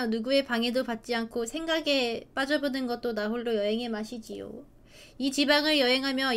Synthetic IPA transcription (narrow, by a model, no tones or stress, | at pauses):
nuɡue̞paŋe̞dopat̚t͡ɕ͈iankʰosʰe̞ŋɡaɡe̞p͈ad͡ʑʌbonɯnɡʌt̚t͈onaɦoɭːojʌɦe̞ŋɦe̞maɕʰid͡ʑijo̰ | it͡ɕibaŋɯɭjʌɦe̞ŋɦamjʌ